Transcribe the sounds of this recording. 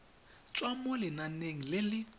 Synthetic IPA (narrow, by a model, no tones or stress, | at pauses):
t͡sʼwamʊlɪnaneŋ̩lɪlɪ